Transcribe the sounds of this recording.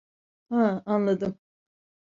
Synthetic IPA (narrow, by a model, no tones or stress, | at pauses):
hãanlˠad̪ɯm